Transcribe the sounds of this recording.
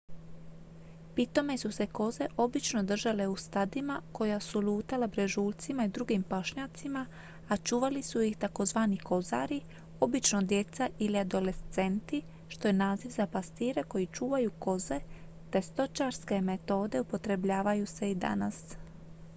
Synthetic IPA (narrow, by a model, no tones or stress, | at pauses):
pit̪o̞me̞suse̞ko̞ze̞ʔo̞bit͡ʃno̞d̪r̩ʒale̞ust̪ad̪imako̞jasuluːt̪alabɾe̞ʒuːlt̪simaid̪ɾuɡimpaʃɲat̪sima | at͡ʃuːʋalisujixt̪ako̞zʋaːniko̞za̰ːɾi | o̞bit͡ʃno̞d̪je̞t̪saʔiliad̪o̞le̞st̪se̞nt̪i | ʃt̪o̞jenaːziʋzapast̪iːɾe̞ko̞jit͡ʃuːʋajuko̞ze̞ | t̪e̞st̪o̞t͡ʃaɾske̞met̪o̞ːd̪e̞upo̞t̪ɾe̞bʎaːʋajuse̞id̪a̰na̰s